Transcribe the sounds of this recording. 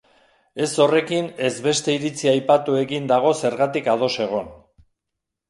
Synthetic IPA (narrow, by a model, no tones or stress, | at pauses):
e̞so̞re̞kine̞zβe̞st̪e̞iɾit͡siajpat̪ue̞ɣind̪aɣ̞o̞se̞ɾɣat̪ikað̞o̞se̞ɣ̞o̞n